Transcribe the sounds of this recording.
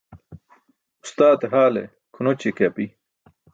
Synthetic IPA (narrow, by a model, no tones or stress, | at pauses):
ust̪aːt̪eɦaːlḛ | kʰunot͡ɕekapi